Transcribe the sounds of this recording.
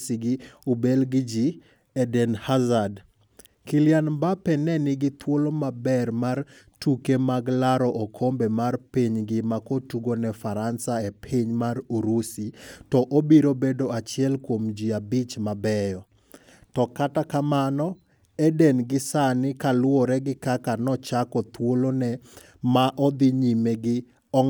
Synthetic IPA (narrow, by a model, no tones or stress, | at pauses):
siɡɪubelɡɪd͡ʒi | ɛdɛnhazad | kiljanbapɛnɛnɪɡɪt̪ʰwolomabɛɾmar | tukemaɡlaɾɔʔokʰombɛmarpiɲɡɪmakotuɡonɛfaɾansaepʰiɲmaɾuɾusitɔʔobiɾobedoat͡ʃɪɛlkwomd͡ʒiabit͡ʃmabɛjɔ | tɔkatakamanɔ | edenɡɪsanɪkalwoɾɛɡɪkakanɔt͡ʃakɔt̪wolonɛ | maʔɔd̪ɪɲimeɡɪ | ɔŋ